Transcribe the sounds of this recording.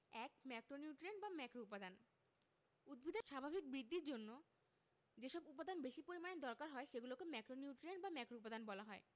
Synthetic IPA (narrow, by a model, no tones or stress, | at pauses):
ɛkmɛkɾoniuʈɾenbamɛkɾoupad̪an | ud̪̚bʱid̪ʱaʃabʱabʱik̚bɾid̪ːiɾd͡ʑonːo | d͡ʑeʃɔbup̬ad̪ʱanbeʃipoɾimaned̪ɔɾkaɾɦɔeʃeɡulokemɛkɾoniuʈɾenbamɛkɾoupad̪anbɔlaɦɔe